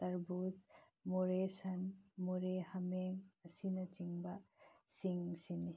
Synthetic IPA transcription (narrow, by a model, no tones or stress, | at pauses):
t̪aɾbus | mɔɾesɐnmɔɾehameŋɐsinɐt͡ʃiŋbasiŋsini